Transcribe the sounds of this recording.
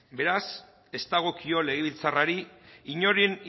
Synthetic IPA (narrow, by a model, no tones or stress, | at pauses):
be̞ɾas | e̞st̪aɣ̞o̞kio̞le̞ɣ̞e̞βilt͡saraɾiiɲo̞ɾien